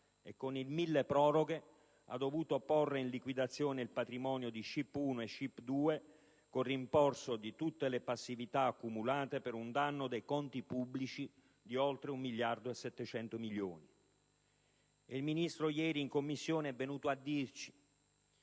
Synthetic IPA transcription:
ekːonilmilːepɾɔːɾoɡe | a̰d̪ːovuːt̪oporːeinlikwid̪at̪sːjoːneilpat̪ɾimɔːnjod̪iʃipːuːnoeʃːipːd̪uːe | korːimpɔrsod̪it̪ut̪ːelepasːivit̪aːkːumulaːt̪epeɾund̪anːod̪ejkɔnt̪ipubːlit͡ʃi | d̪iɔlt̪ɾeumːilːjard̪oesːɛt̪ːet͡ʃɛnt̪omiljoːni | ilminist̪ɾojɛːɾiːŋkomːisːjoːnɛvːenuːt̪oad̪ːirt͡ʃi̥

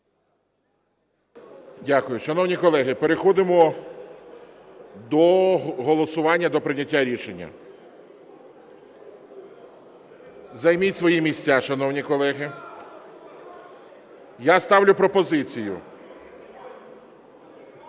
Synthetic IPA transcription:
dʲakʊjʊʃɐnɔwnʲikɔlˠɛɦɪpeɾexɔd̪ɪmɔ | d̪ɔɦɔlˠɔsʊʋɑnʲːɐd̪ɔpɾɪnʲɐtʲːaɾʲiʃenʲːɐ̰ | zɐjmʲitʲsʋɔjimʲisʲt͡sʲaʃɐnɔwnʲikɔlˠɛɦɪ | jast̪ɑwlʲʊpɾɔpɔzɪt͡sʲijʊ̰

